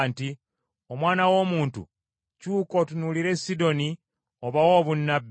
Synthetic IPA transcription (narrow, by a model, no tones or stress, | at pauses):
nti | o̞mwaːnawo̞ːmuːntṵ | cuːko̞tunuliɾe̞sido̞ni | o̞βawo̞ːβunːabː